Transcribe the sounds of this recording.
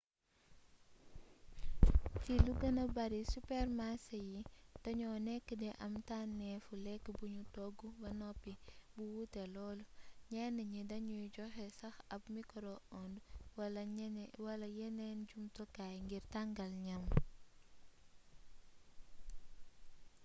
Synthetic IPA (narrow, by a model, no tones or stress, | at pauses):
filuɡɐnɐbɐɾisupɛrmasɐjitɐɲɔːnɛkːədɛʔɐmtanːɛfulɛkːəbuɲutɔɡːubɐnɔpːibuwutɛlɔːlɲɛnəɲidɐɲujɟɔxɛsɐxɐp̚mikɾɔɔndwɐlɐwɐlɐjɛnɛnɟumtɔkajŋɡirtɐŋɡɐlɲɐm